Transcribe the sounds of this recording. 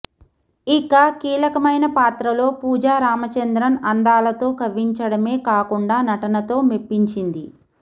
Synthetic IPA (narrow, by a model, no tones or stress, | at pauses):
ikakiːlɐkɐmɐjnɐpaːt̪ɾɐlo̞ːpuːd͡ʒaːɾaːmɐt͡ʃɐnd̪ɾɐnɐnd̪aːlɐt̪o̞ːkʰɐʋiɲt͡ʃɐɽɐme̞ːkaːkuɳɖaːnɐʈɐnɐt̪o̞ːmepːiɲt͡ʃind̪i